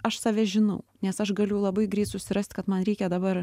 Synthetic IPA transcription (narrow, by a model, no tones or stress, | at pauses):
ɐʃsɑːʋʲɛʒʲɪnɐʊnʲɛsɐʃɡɐlʲʊjlˠɐbɐɪɡɾʲɛɪt̪sʊsʲɪɾɑːst̪ʲkɐt̪mɐnɾʲɛɪkʲɛd̪ɐbɐɾ